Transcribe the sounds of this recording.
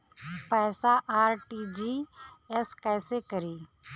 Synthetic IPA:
pɛːsaʔaːɾʈiːd͡ʒiːɛskɛːsekəɾiː

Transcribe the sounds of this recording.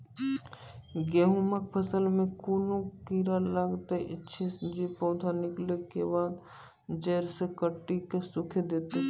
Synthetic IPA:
ɡeɦumək̚pʰəsəlmẽkuːnokiːɾalaɡt̪eʔɪtːʃʰed͡ʒipɔːd̪ʱanɪklekebaːd̪ | d͡ʒɛːɾsekəʈːikesʊkʰed̪eːt̪e

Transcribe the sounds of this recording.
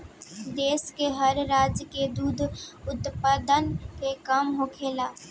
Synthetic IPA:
d̪eːskeɦəɾɾaːd͡ʒked̪uːd̪ʱʊt̪pad̪ənkekamɦoːkʰeːlaː

